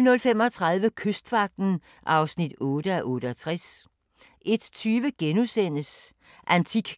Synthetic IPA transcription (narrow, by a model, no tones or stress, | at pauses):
nɔ̽lfem̰ɒt͡sʰʁɑ̈ð̞ˠʋəkʰøsd̥ʋɑ̈ɡ̥̚d̥n̩ | ʔɑ̈ʊsnid̥ɔːd̥əæʔɔ̽ːɾ̥əɒt͡sʰʁas | ʔe̝d̥t͡sʰyːʋəɡ̥enusen̰əs | ʔænt͡sʰiɡ̥